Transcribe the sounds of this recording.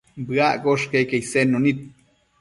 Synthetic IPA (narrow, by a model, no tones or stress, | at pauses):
bɨaʔɡoʃkejkejsenonit̪̚